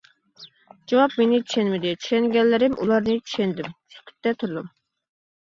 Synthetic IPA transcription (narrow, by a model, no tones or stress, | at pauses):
d͡ʒɑwɑpmenɪt͡ʃʰy̥ʃɛnmɪd̪ɪt͡ʃʰy̥ʃɛnɡʲɛnlːɪɾɪmʔṵlˠɑɾnɨt͡ʃʰy̥ʃɛnd̪ɪmsy̥kʲʰy̥t̪ːɛt̪ʰuɾd̪um